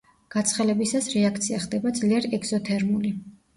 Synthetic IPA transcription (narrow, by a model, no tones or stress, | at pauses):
ɡ̥at̪sʰχɛlɛbisasɾɛakʰt̪sʰiaχd̪ɛbad̪zliɛɾiɛɡz̥ɔt̪ʰɛɾmuli